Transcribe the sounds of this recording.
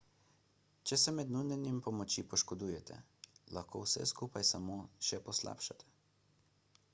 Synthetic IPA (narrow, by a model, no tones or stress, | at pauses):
t͡ʃɛsɛmɛd̪nunʲɛnimpɔmɔt͡ʃipɔʃkɔd̪uːjɛt̪ʰɛ̰laxkʰo̰ːwsɛ̰skuːpajsamoːʃɛpɔsla̰ːpʃat̪ɛ̥